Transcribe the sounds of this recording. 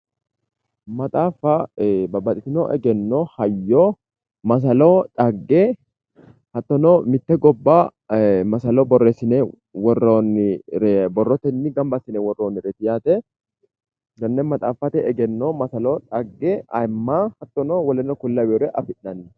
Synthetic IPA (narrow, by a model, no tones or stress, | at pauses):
mɐt̪ʼaːfɐbɐbɐt̪ʼɪt̪ɪnoʔɛ̰ɡɛnːoːhɐjːo | mɐs̬ɐloːᶑʼɐɡːɛ | hɐt̪ːɔnomɪt̪ːɛɡɔbːamɐsɐlɔbɔrːɛsɪnɛ | wɔronːɪɾɛbɔrːɔt̪ɛnːɪɡɐmbɐsɪnɛwɔrːoːnːɪɾɛt̪ɪjaːt̪ɛ | ɡɐnːɛmɐt̪ʼaːfɐt̪ɛɛɡɛnːoːmɐsɐloːᶑ̪ʼɐɡːɛɐmːaːhɐt̪ːɔnowɔlɛnːɔkʊlːɐwɔɾɛʔɐfɪʔːɐnːɛ